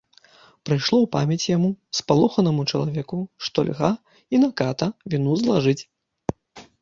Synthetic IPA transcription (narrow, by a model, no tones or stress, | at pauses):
pɾɨjʂlˠɔwpa̰mʲɐt͡sʲjamuspalˠɔxɐnɐmut͡ʂɐlˠavʲɛkuʂt̪ɔ̰lʲɣa | inɐkat̪ɐvʲinuzlˠaʐɨt͡sʲ